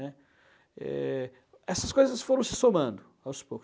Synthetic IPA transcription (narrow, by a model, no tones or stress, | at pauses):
ɛ | ɛ̰ | ɛsɐskojzɐsfoɾɐ̃w̃sɪ̥somɐ̃nd̪ʊ | awspowk